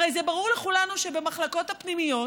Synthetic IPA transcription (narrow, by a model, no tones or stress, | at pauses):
ejzebaʁuʁleχulanuʃe̞bemaχlako̞t̪hapnimijo̞